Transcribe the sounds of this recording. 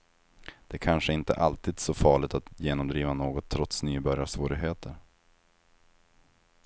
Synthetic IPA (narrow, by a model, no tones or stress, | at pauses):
d̪̥ɛkʰanʂəɪnt̪ə̰ʔalt̪ʰiːd̪sɔfɑːɭɪt̪at̪jeːnɔmd̪ɾiːvanoːɡɔt̪ʰːɾɔt̪snyːbœɾjasvoːɾɪɦeːt̪ʰəɾ